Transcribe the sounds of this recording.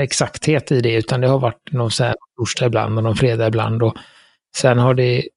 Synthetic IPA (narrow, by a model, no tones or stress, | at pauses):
ɛksakt̪heːt̪ɪd̪ɛʉ̟ːt̪and̪ɛhaɾvaʈːnɔnsænɔnfɵʂʈaɪbla̰nd̪ɔnɔmfɾeːd̪aɪbla̰nd̪ɔ | sɛnhaɖɛ